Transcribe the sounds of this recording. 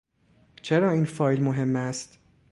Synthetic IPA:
t͡ʃʰeɾɒːiːnfɒːjlmoɦe̞mːæst̪

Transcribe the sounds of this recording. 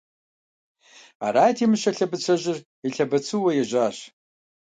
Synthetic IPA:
a̰ɾaːjtʰimɨʃaɬabɨt͡sʷʰaʒʷɪr | iɬabat͡sʰɨwajaʒʷaːʃ

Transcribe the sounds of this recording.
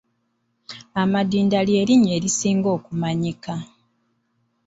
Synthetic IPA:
amadiːndaljeːliɲe̞ːɾisiːŋɡo̞ːkumaɲika

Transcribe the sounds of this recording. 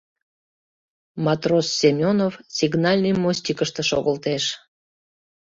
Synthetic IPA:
mɑt̪rosːemʲonovsʲiɡnɑlʲnəjmosʲtʲikəʃt̪əʃoɣəlt̪eʃ

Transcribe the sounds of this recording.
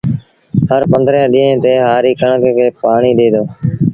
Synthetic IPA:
ɦəɾpənd̪ɾẽːɗĩːɦẽːt̪eːɦaːɾiːkəɳkkʰeːpaːɳiːɗ̪eːd̪oː

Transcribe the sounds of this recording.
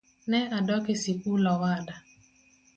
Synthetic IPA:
nɛʔadɔkesikulɔwada

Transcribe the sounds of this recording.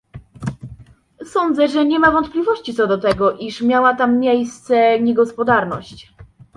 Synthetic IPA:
sɔnd̪zɛʐɛɲɛmavɔnt̪̚plʲivɔɕt͡ɕit̪sɔd̪ɔt̪ɛɡɔʔiʂmʲjawat̪amːʲjejst̪sɛɲɛɡɔspɔd̪aɾnɔ̰ɕt͡ɕ

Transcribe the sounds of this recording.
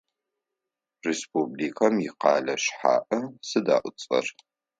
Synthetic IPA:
respubliːkʰɐmjɪqɑːlɐɕħa̰ːʔɐsɨda̰ːʔʷʊt͡sʼɐ̰r

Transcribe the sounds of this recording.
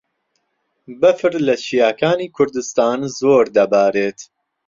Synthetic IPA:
bɐfɨɾlɐʃijaːkaːniːkʰʊɾd̪ɨst̪aːnzoːɾd̪ɐbaːɾeːt̪

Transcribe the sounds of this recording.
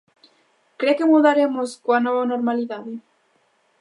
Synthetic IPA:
kɾekemuðaɾemoskoanɔβanoɾmaliðaðe

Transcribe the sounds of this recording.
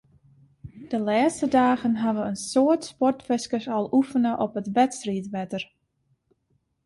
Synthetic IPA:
d̥əlaːstədaːɣənɦaʋəənsoətspɔrtfɪskəsɔlˠufənəʔɔpətʋɛtstritʋɛtər

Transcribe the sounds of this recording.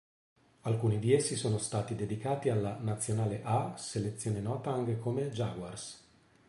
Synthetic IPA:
alkuːnid̪iesːisoːnost̪aːt̪id̪ed̪ikaːt̪ialːanat̪sːjonaːleʔaselet̪sːjoːnenɔːt̪aaŋkekomed͡ʒaɡwars

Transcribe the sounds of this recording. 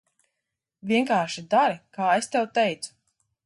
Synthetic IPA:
vʲiɛŋkaːɾʃid̪aɾikaːest̪ɛwt̪ɛjt̪su̥

